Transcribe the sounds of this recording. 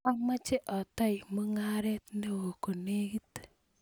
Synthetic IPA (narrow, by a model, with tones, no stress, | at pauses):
a˦ŋma˦t͡ʃe˦ʔɔ˨t̪ɔ˦ɪ˨mo˦ŋa˦ɾɛ˦t̪ne˦wo˨ko˨ne˦ɡi˦t